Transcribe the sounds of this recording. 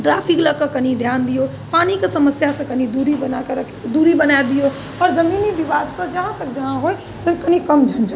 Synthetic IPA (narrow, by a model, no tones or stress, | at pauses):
ʈɾapʰikləkəkən̤id̪ʱjaːnd̪ijo | panikesəməsjasə̃kənid̪uɾibənakəɾ | d̪uɾibənaed̪ijo | ɔːɾd͡ʒəminibiʋaːd̪sə̃d͡ʒəɦãt̪ək̚d͡ʒəɦãɦoj | sekənikəmd͡ʒʱənd͡ʒa